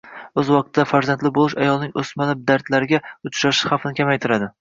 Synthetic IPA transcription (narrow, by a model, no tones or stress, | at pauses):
ɵzwɒq̚t̪ʰɪd̪afaɾzant̪lɪbolˠɪʃajɒlˠnɪŋʔɵsmalɪb̚d̪aɾd̪laɾɪɡʲaʊt͡ʃʰɾaʃɪ̥χafnɪkʲʰamajt̪ʰɪɾad̪ɪ